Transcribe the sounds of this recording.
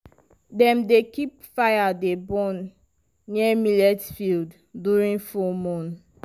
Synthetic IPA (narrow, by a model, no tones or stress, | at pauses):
dɛ̃mdekip̚fajadebɔ̃nː | ɛmilɛtfild | duɹĩŋfɔmɔ̃n